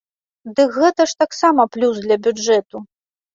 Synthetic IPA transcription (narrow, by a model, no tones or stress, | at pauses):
d̪ɨkɣɛt̪ɐʂt̪aksamɐplʲusd̪lʲɐbʲud͡ʐɛt̪u